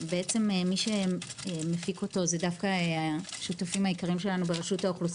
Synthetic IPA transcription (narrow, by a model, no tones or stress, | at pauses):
beet͡se̞memiʃe̞mefiko̞to̞zedafkaeaʃutafimhajikaʁimʃe̞lanubeʁeʃutaoχlus